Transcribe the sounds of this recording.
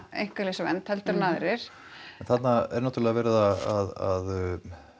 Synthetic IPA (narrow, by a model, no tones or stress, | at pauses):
ḛjŋ̥kaɾlesavɛ̰nt̪hɛlt̪ʏɾnaːðɾɪɾ̥ | ɛnθat̪naɛ̰ɾnɔwt̪ɾlɛɣavɛːɾɪðaaða̰ð